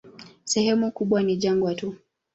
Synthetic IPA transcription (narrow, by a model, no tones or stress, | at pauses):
sɛhɛmukuɓwaniʄaŋɡwatu